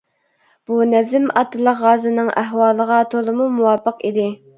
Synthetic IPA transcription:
b̥unɛzɪmɑt̪ːɨlˠəqʁɑːzɨnɨŋʔæɦwɑːlˠəʁɑt̪ʰolˠɨmumuwɑːpəqid̪ɪ

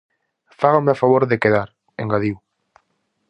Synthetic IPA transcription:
faɣameafaβoɾðekeðaɾ | ḛŋɡaðiw

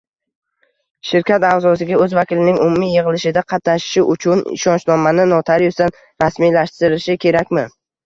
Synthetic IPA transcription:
ʃɪɾkʲʰat̪azɒsɪɡʲaɵzvakʲɪlɪnɪŋʊmumijeʁɨlɪʃɪd̪aqʰɑt̪naʃɪ̥ʃɪʔʊt͡ʃʰʊnɪ̰ʃɒnt͡ʃlˠɒmanɪnɒt̪ʰaɾjʊst̪an | ɾasmilaʃt̪ɪɾɪʃɪkʲʰe̞ɾakʲmɪ

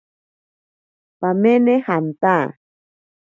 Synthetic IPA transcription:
pamenehant̪a

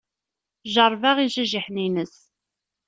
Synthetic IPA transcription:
ʒəɾˤvaʁiʒəʒiħninəs

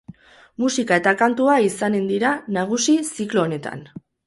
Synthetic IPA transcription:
musikae̞t̪akant̪uaisane̞nd̪iɾanaɣ̞usisiklo̞ːne̞t̪a̰n

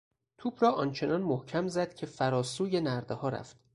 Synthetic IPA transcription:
t̪ʰuːbɾɒːʔɒːnt͡ʃʰe̞nɒnmohcʰæmzæd̪̥cʰe̞fæɾɒːsuːje̞næɾd̪ehɒːɾæ̰ft̪

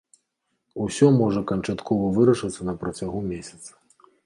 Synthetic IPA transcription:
usʲɔmɔʐɐkɐnt͡ʂat̪kʰɔvɐvɨɾɐʂɐt̪sːɐnɐpɾɐt͡sʲaɣumʲesʲɐ̥t̪sɐ̥

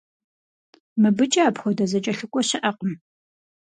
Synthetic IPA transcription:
mɨbɨt͡ʃʼɐapxʷɔdɐzɐt͡ʃʼɐɬɨkʷʼɔɕɪʔɐqʼəm

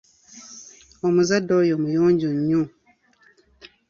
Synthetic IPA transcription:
ɔmuzadɔjɔmujɔɲd͡ʒuɲɲũ

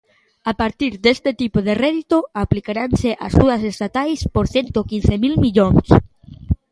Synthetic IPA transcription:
apaɾt̪iɾd̪est̪et̪ipoðerɛðit̪oaplikaɾanseʔa̰zuðɐsest̪at̪ajspoɾθent̪okin̟θemilmiʎoŋs

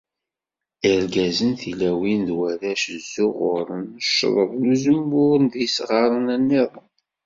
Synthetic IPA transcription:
iɾɡæzənθilæwinðwæɾæʃəzːʊʁʊɾˤənəʃːðˤəðˤluzəmːʊɾənðisʁɑɾˤənænːeðˤən

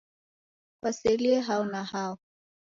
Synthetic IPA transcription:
kwasɛliɛɦaɔnahaɔ

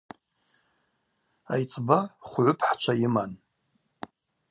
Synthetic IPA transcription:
a̰jt͡sʼbaχʷʕʷʊpʰħt͡ʃʷʰaiman

